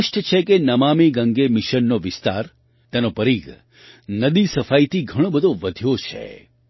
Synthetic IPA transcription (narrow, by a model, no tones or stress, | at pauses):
əʃʈʰət͡ʃʰekenəmamiɡə̃ŋɡemiʃənːoʋɪst̪a̰ɾ | t̪enopəɾiɡ | nəd̪isəfait̪ʰiɡʱəɽ̃õbəd̪ʱoʋəd̪ʱjot͡ʃʰḛ